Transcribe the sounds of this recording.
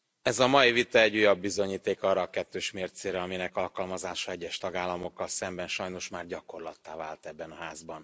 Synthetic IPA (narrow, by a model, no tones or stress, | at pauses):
ɛzɒmɒjivit̪ɒɛɟːujɒbːizo̞ɲiːt̪eːkɒːrɒːkɛt̪ːøːʃmeːrt̪seːɾɛɒminɛkɒlkɒlmɒzaːʃɒɛɟːɛʃt̪ɒɡaːlːɒmo̞kːɒlsɛmbɛnʃɒjno̞ʃmaːrɟɒko̞rlɒt̪ːaːva̰ːlt̪ɛbːɛnɒɦaːzbɒn